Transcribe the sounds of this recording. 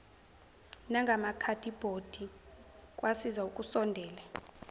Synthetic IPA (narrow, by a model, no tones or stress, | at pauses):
naŋɡʱamakʰadʰʱʼib̥ʱod̥ʱikʼwasizaukʼusɔndʱɛːla